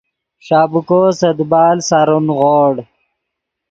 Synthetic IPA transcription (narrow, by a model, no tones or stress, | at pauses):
ʂaːbukoːsɐd̪baːlsaɾunɣoːɽ